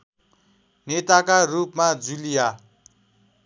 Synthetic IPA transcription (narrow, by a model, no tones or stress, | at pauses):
net̪akarupmad͡zulija